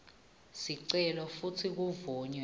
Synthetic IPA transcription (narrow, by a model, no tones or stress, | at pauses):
siǀɛlɔfutʰik̬uvɔːɲɛ